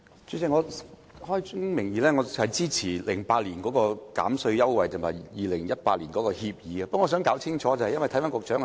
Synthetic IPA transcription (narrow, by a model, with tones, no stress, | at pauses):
t͡ʃɵ˨˧˥sɪ˨ŋɔː˨˧ | hɔː˥jʊ˥ŋmɪ˨˩ŋjiː˨˧lɛː˥ŋɔː˨˧hɐ˨jt͡siː˥t͡sʰiː˨˩lɪ˨˩ŋpaː˧t̚liː˨˩nkɔː˨˥kɔː˧ka̰ː˨˥msɵ˧ɥjɐ˥wwɐ˨jt̪ʰʊ˨˩mhɐ˨˩jjiː˨˩lɪ˨˩ŋjɐ˥t̚paː˧t̚liː˨˩nkɔː˨˥kɔː˧hiː˧p̚jiː˨˧aː˧pɐ˥ŋɔ˨˧s̬œː˨˥ŋkaː˨˥wt͡sʰɪ˥ŋt͡ʃʰɔː˨˦˥t͡sɐ˨hɐ˨jɐ˥nwɐ˨jt̪ʰɐ˥faː˦˥nkʊ˨˩k̚t͡ʃœː˨˥ŋ˧